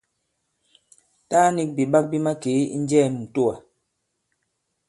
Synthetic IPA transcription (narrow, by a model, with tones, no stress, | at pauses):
taː˦ni˦k̚bi˨ba˦k̚bi˦ma˦ke˨˦ḭ˦n̩˦d͡ʒɛ˦˨m˨n̩˨to˦a˨